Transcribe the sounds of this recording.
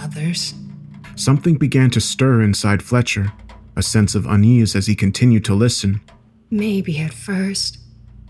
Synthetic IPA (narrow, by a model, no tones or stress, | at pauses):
ʌðə˞z̥ | sʌ̃mθɪ̃ŋbɨɡæ̃ntʰɨstɜ˞ɪ̃nsaɪd̥flɛt͡ʃə˞ʔɨsɛ̃nsʌvə̰̃nizɨz̥ikʰɨ̃n̩tʰɪ̃njʉd̚tʰəlɪsɨ̃n | meɪbiɨtfɜ˞st̚